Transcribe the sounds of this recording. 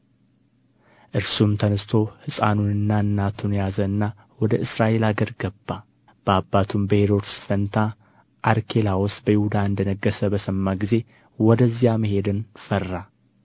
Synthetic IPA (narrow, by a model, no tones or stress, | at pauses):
ʔɨɾsumt̪ʰənəst̪ʰo̞hɨsʼa̰nunɨnːaɨnːat̪ʰunjazəɨnːa | wɔd̪əɨsɾaʔe̞laɡəɾɡəbːa | b̥əabːat̪ʰumbəheɾo̞t̪sɨ̥fənt̪ʰa | ʔaɾkʰe̞lawosbəjɪhud̪aɨnd̪ənəɡːəsəbəsəmːaɡize̞ | wɔd̪əzːijaməɦe̞d̪ɨnfərːa